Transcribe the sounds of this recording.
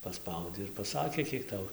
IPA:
pɐˈspɐʊdʲɛɪ ɪr pɐˈsɑːkʲeː ˈkʲiɛk ˈtɐʊ

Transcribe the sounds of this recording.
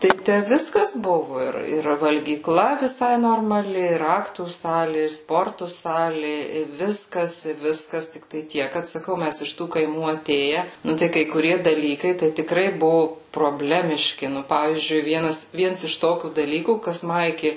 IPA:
tɐɪ ˈtʲæ ˈʋʲɪskɐs ˈbʊʋʊ ˈɪr ɪr ʋɐlʲɡʲiːˈklˠɐ ʋʲɪˈsɐɪ noːrmɐˈlʲɪ ɪr ˈɑːktuː ˈsɑːlʲɪ ɪr ˈspoːrtʊ ˈsɑːlʲɪ ɪ ˈʋʲɪskɐs ɪ ˈʋʲɪskɐs tʲɪkˈtɐɪ ˈtʲiɛk kɐt sɐˈkɐʊ ˈmʲæs ɪʃ ˈtuː kɐɪˈmuː ɐˈtʲeːjɛ ˈnʊ tɐɪ kɐɪ kʊˈrʲiɛ dɐˈlʲiːkɐɪ tɐɪ tʲɪˈkrɐɪ ˈbʊʋʊ proːˈbʲlʲæːmʲɪʃʲkʲɪ ˈnʊ ˈpɑːʋʲiːzʲd͡ʒʲʊɪ ˈʋʲiɛnɐs ˈʋʲiɛns ɪʃ ˈtoːkʲuː dɐˈlʲiːkuː kɐs ˈmɐ ɪkʲɪ

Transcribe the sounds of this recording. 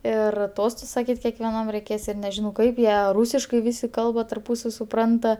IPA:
ˈɪr ˈtoːstʊs sɐˈkʲiːtʲ kʲɛkʋʲɛˈnɐm rʲɛɪˈkʲeːs ˈɪr nʲɛˈʒʲɪnɐʊ ˈkɐɪp ˈjiɛ ˈruːsʲɪʃkɐɪ ˈʋʲɪsʲɪ ˈkɐlˠbɐ tɐrˈpuːsɐw sʊˈprɐntɐ

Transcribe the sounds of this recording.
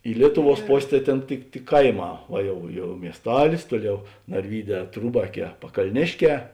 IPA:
ɪ ˈlʲiɛtʊˌʋuɔs ˈpoːsʲ tɐɪ ˈtʲeːn tʲɪk tʲɪk ˈkɐɪˌmɑː oː ˈjɛʊ ˈjɛʊ mʲiɛsˈtɑːlʲɪs ˈtuɔˌlʲɛʊ nɐrʲˈʋʲiːˌdʲɛː ˈtruːbɐˌkʲɛː pɐkɐlʲˈnʲeːʃʲˌkʲɛː

